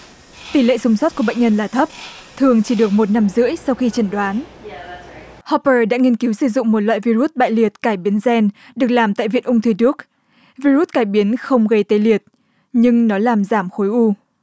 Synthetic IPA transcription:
t̪i˧˩lḛ˧˨sʊ˨˦ŋ͡mswɔ˦˥t̚ku˧˩ɓa̰˧˨ŋ̟ɲə˧nlaː˨˩t̪ʰə˦˥p̚t̪ʰɨ˨˩əŋt͡ɕi˧˩ɗɨ˨˩ək̚mo˨˩t̚na˧mzɨ̰˧˥əjsa˧wxi˧t͡ɕə˧˩nɗwaː˨˦n | hɔ˧pəː˧˩ɗa̰ː˧˥ŋi˧ənki˨˦wsɨ˧˩zʊ̰˧˨ŋ͡mmo˨˩t̚wa̰ː˧˨jvi˧ɾu˦˥t̚ɓa̰ː˧˨jli˨˩ət̚kaː˧˩jɓi˨˦ənzɛ˧n | ɗɨ˨˩ək̚laː˨˩mt̪a̰ː˧˨jvḭ˧˨ənʔʊ˧ŋ͡mt̪ʰɨ˧˩ɗɨ˦˥ək̚ | vi˧ɾu˦˥t̚kaː˧˩jɓi˨˦nxə˧wŋ͡mɣə˧jt̪e˨˧˦li˨˩ət̚ | ɲɨ˧ŋnɔ˨˦laː˨˩mzaː˧˩mxo˨˦jʔu˧

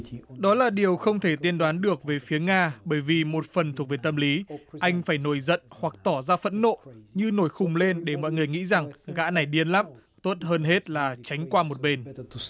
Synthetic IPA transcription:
ɗɔ˨˦laː˨˩ɗi˨˩əwxə˧wŋ͡mt̪ʰe˧˩t̪i˧ənɗwaː˨˦nɗɨ˨˩ək̚ve˨˩fi˨˦əŋaː˧ɓəː˧˩jvi˨˩mo˨˩t̚fə˨˩nt̪ʰu˨˩ək̚ve˨˩t̪ə˧mli˨˦ʔa˧jŋ̟faː˧˩jno˧˩jzə̰˧˨nhwa˨˩k̚t̪ɔ˧˩zaː˧fə̰˧˥nːo̰˧˨ɲɨ˧no˧˩jxʊ˨˩ŋ͡mle˧nɗe˧˩mɔ̰˧˨jŋɨ˨˩əjŋḭ˧˥za˨˩ŋɣa̰ː˧˥na˨˩jɗi˧ənla˦˥m | t̪o˦˥t̚ɦəː˧nɦe˦˥t̚laː˨˩t͡ɕa˨˦jŋ̟kwaː˧mo˨˩t̚ɓe˧n

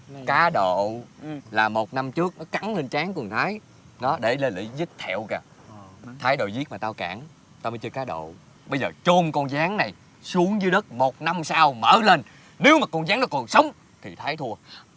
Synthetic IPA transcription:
kaː˨˦ɗo̰˧˨laː˨˩mo˨˩t̚na˧mt͡ɕɨ˦˥ək̚nɔ˨˦ka˨˦ŋle˧nt͡ɕaː˨˦ŋkɨ˨˩ŋt̪ʰaː˨˦j | nɔ˨˦ɗe˧˩le˧lḭ˧˩zɨ˦˥t̚t̪ʰɛ˧˨wkaː˧˩ | t̪ʰaː˨˦jɗo̰˧˨jzi˦˥t̚maː˨˩t̪aː˧wka̰ː˧˩ŋ | t̪aː˧məː˨˦jt͡ɕɨ˧əkaː˨˦ɗo̰˧˨ | ɓə˧jzəː˨˩t͡ɕo˧mkɔ˧nzaː˨˦ŋna˨˩j | su˨˦əŋzɨ˨˦ɗə˦˥t̚mo˨˩t̚na˧msaː˧wməː˧˩le˧n | ne˨˦wmaː˨˩kɔ˧nzaː˨˦ŋnɔ˨˦kɔ˨˩nsə˨˦wŋ͡m | t̪ʰi˨˩t̪ʰaː˨˦jt̪ʰu˧ə

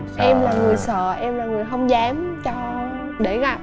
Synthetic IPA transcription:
ʔɛ˧mlaː˨˩ŋɨ˨˩əjsə̰ː˧˨ʔɛ˧mlaː˨˩ŋɨ˨˩əjɦə˧wŋ͡mzaː˨˦mt͡ɕɔ˧ | ɗe˧˩ɣa˧˩p̚

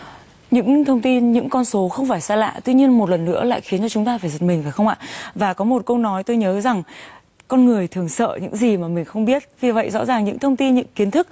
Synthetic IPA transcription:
ɲɨ̰˧˥ŋt̪ʰə˧wŋ͡mt̪i˧nɲɨ̰˧˥ŋkɔ˧nso˨˦xə˧wŋ͡mfaː˧˩jsaː˧la̰ː˧˨t̪wḭ˧ɲi˧ənmo˨˩t̚lə˨˩nːɨ̰˧˥əla̰ː˧˨jxi˨˦nt͡ɕɔ˧t͡ɕʊ˨˦ŋ͡mt̪aː˧faː˧˩jzə˨˩t̚mï˨˩ŋ̟vaː˨˩xə˧wʔa̰ː˧˨vaː˨˩kɔ˨˦mo˨˩t̚kə˧wnɔ˨˦jt̪o˧jɲəː˨˦za˨˩ŋ | kɔ˧nŋɨ˨˩əjt̪ʰɨ˨˩əŋsə̰ː˧˨ɲɨ̰˧˥ŋzi˨˩maː˨˩mï˨˩ŋ̟xə˧wŋ͡mɓi˦˥ət̚vi˨˩və̰˧˨jzɔ̰˧˥zaː˨˩ŋɲɨ̰˧˥ŋt̪ʰə˧wŋ͡mt̪i˧nɲɨ̰˧˥ŋki˨˦ənt̪ʰɨ˦˥k̚

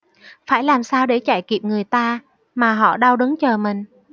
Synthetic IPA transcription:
faː˧˩jlaː˨˩msaː˧wɗe˧˩t͡ɕaː˧˩jki˨˩əp̚ŋɨ˨˩əjt̪aː˧ | maː˨˩ɦɔ̰˧˨ɗa˧wɗɨ˨˦ŋt͡ɕəː˨˩mï˨˩ŋ̟

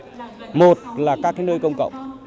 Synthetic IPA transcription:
mo˨˩t̚laː˨˩kaː˦˥k̚kaː˨˦nəː˧jkə˧wŋ͡mkə̰˧˨wŋ͡m

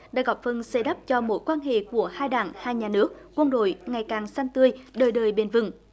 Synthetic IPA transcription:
ɗa̰ː˧˥ɣɔ˨˩p̚fə˧nse˧ɗə˦˥p̚t͡ɕɔ˧mo̰˧˥jkwaː˧nɦḛ˧˨ku˧˩əhaː˧jɗaː˧˩ŋhaː˧jɲaː˨˩nɨ˦˥ək̚kwə˧nɗo̰˧˨jŋa˨˩jkaː˨˩ŋsa˧nt̪ɨ˧əjɗəː˨˩jɗəː˨˩jɓe˨˩nvɨ̰˧˩ŋ

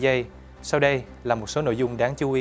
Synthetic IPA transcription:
zə˧j | saː˧wɗə˧j | laː˨˩mo˨˩t̚so˨˦no̰˧˨jzʊ˧ŋ͡mɗaː˨˦ŋt͡ɕu˨˦ʔi˨˦

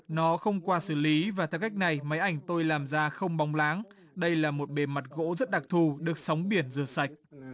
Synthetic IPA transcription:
nɔ˨˦xə˧wŋ͡mkwaː˧sɨ˧˩li˨˦vaː˨˩t̪ʰɛ˧wka˦˥jk̟̚na˨˩jma˨˦jʔa˧˩jŋ̟t̪o˧jlaː˨˩mzaː˧xə˧wŋ͡mɓa˨˦wŋ͡mlaː˨˦ŋ | ɗə˧jlaː˨˩mo˨˩t̚ɓe˨˩ma˨˩t̚ɣo̰˧˥zə˦˥t̚ɗa˨˩k̚t̪ʰu˧˩ɗɨ˨˩ək̚sa˨˦wŋ͡mɓi˧˩ənzɨ˨˧˩əsa˨˩jk̟̚

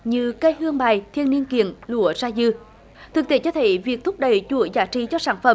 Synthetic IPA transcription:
ɲɨ˧kə˧jhɨ˧əŋɓaː˨˩jt̪ʰi˧ənːi˧ənkḭ˧˨ənlu˧˦əzaː˧zɨ˧ | t̪ʰɨ˨˩k̚t̪e˧˩˦t͡ɕɔ˧t̪ʰe˧˦jvi˨˩ək̚t̪ʰʊ˦˥p̚ɗə˨˩jt͡ɕu˧˩˦əzaː˧˩t͡ɕi˧˦t͡ɕɔ˧saː˧˩nfə̰˧˩m

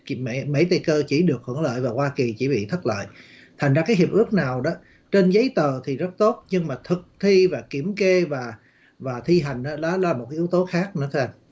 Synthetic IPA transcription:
me˧˩mḛ˧˥t̪e˧˨˩kəː˧t͡ɕi˧˩ɗɨ˨˩ək̚hə̰˧˩əŋlə̰ː˧˨jvaː˨˩kwaː˧ki˨˩t͡ɕi˧˩ɓḭ˧˨t̪ʰə˦˥t̚la̰ː˧˨j | t̪ʰa˨˩ŋzaː˧kaː˨˦jɦi˨˩p̚ʔɨ˦˥ək̚naː˨˩wɗɔ˨˦ | t͡ɕe˧nzə˨˦jt̪əː˨˩t̪ʰi˨˩zə˦˥t̚t̪o˦˥t̚ɲɨ˧ŋmaː˨˩t̪ʰɨ˨˩k̚t̪ʰi˧vaː˨˩ki˧˩əmke˧vaː˨˩ | vaː˨˩t̪ʰi˧ɦa˨˩jŋ̟ʔaː˨˦laː˨˦laː˨˩mo˨˩t̚ka˦ʔi˦əwt̪o˨˦xaː˦˥k̚nɨ̰˧˥˦t̪ʰɨ˧˦ʔa˧n

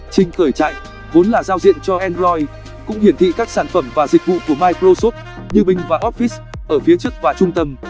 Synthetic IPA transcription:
t͡ɕï˧ŋ̟xəː˧˩jt͡ɕa̰ː˧˨j | vo˨˦nlaː˨˩zaː˧wzḭ˧˨ənt͡ɕɔ˧ʔɛ˧nzɔ˧j | kʊ̰˧˥ŋ͡mhi˧˩ənt̪ʰḭ˧˨kaː˦˥k̚saː˧˩nfə˧˩mvaː˨˩zï˨˩k̟̚vṵ˧˨ku˧˩əmaː˧jkɾo˧so˦˥t̚ | ɲɨ˧mï˧˩ŋ̟vaː˨˩ʔɔ˦˥t̚fi˦˥s | ʔəː˧˩fi˨˦ət͡ɕɨ˦˥ək̚vaː˨˩t͡ɕʊ˧ŋ͡mt̪ə˧m

